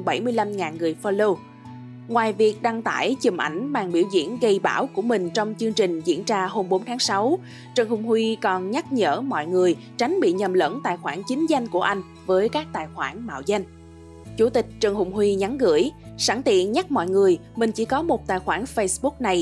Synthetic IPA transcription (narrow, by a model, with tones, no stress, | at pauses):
ɓa˧˩jmɨ˧əjla˧mŋaː˨˩nŋɨ˨˩əjfaː˧lo˧ | ŋwaː˨˩jvi˨˩ək̚ɗa˧ŋt̪a̰ː˧˩jt͡ɕɨ˨˩mʔa̰˧˩jŋ̟ɓaː˨˩ŋɓḭ˧˩əwzḭ˧˥ənɣə˧˩jɓa̰ː˧˩wku˧˩əmï˨˩ŋ̟t͡ɕɔ˧wŋ͡mt͡ɕɨ˧əŋt͡ɕï˨˩ŋ̟zḭ˧˥ənt͡ɕaː˧ɦo˧mɓo˨˦nt̪ʰaː˨˦ŋsa˨˦w | t͡ɕə˨˩nhʊ˨˩ŋ͡mhwi˧kɔ˨˩nɲa˦˥t̚ɲə̰ː˧˥mɔ̰˧˨jŋɨ˨˩əj | t͡ɕa˨˦jŋ̟ɓḭ˧˨ɲə˨˩mlə̰ː˧˥nt̪a̰ː˧˨jxwaː˧˩nt͡ɕï˨˦nza˧jŋ̟ku˧˩əʔa˧jŋ̟ | vəː˨˦jkaː˦˥k̚t̪a̰ː˨˩jxwaː˧˩nma̰ː˧˨wza˧jŋ̟ | t͡ɕu˧˩t̪ï˨˩k̟̚t͡ɕə˨˩nhʊ˨˩wŋ͡mhwi˧ɲa˨˦ŋɣɨ̰˧˥əjsaː˧˩ŋt̪ḭ˧˨ənɲa˦˥k̚mɔ̰˧˨jŋɨ˨˩əjmï˨˩ŋ̟t͡ɕḭ˧˥kɔ˨˦mo˨˩t̚t̪aː˨˩jxwaː˧˩nfə˧sɓʊ˦˥k̚na˨˩j